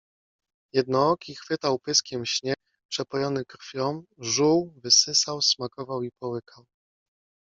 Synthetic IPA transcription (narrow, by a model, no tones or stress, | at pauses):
jɛd̪nɔɔkʲixfɘt̪awpɘskʲɛmɕɲɛk | pʂɛpɔjɔnɘkɾfʲjɔmʐuwvɘsɘsawsmakɔvawipɔwɘkʰaw